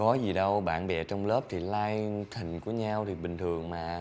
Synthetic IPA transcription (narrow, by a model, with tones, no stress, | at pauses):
kɔ˨˦zi˨˩ɗə˧wɓa̰ː˧˨nɓɛ̰˧˨˩t͡ɕɔ˧wŋ͡mlə˦˥p̚t̪ʰi˨˩laː˧jt̪ʰi˨˩ŋ̟ku˧˩əɲaː˧wt̪ʰi˨˩ɓï˨˩ŋ̟t̪ʰɨ˨˩əŋmaː˨˩